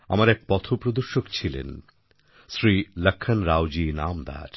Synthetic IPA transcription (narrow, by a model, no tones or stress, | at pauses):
a̰maɾɛk̚pɔt̪ʰopɾod̪oɾʃokt͡ɕʰilḛn | sɾiləkʰːanɾawd͡ʑinamd̪a̰ɾ